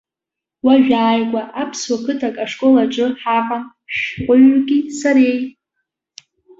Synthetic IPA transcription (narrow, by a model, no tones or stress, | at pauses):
waʒᶣaːjɡʷʼaʔapʰswakʰɨtʰakʼaʂkʼolaʈ͡ʂʼɨħarʼam | ʃqʷʼʊɥɡʲisaɾej